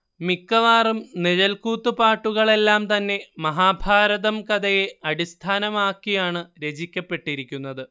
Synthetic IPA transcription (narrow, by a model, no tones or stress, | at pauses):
mikːɐʋaːrumneðɐlkuːt̪ːupaːʈːuɣɐɭe̞lːaːmt̪ɐnːe̞mɐɦaːbʱaːɾɐðɐmkɐd̪ɐje̞ɐɽist̪ʰaːnɐmaːkːijaːɳɨɾe̞d͡ʑikʲːɐpːe̞ʈːiɾikʲːunːɐðɨ